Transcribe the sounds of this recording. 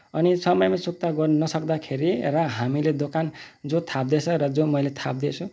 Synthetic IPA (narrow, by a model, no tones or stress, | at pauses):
ʌnisʌmʌjmasuk̚t̪aɡʌrnʌsʌkd̪akʰeɾirʌɦamiled̪okand͡zot̪ʰap̚d̪et͡sʰʌɾʌd͡zomʌjlet̪ʰap̚d̪et͡sʰũ